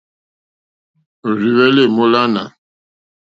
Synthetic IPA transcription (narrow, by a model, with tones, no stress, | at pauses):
ɾi˨wɛ˦le˦˨mo˦la˦na̰˨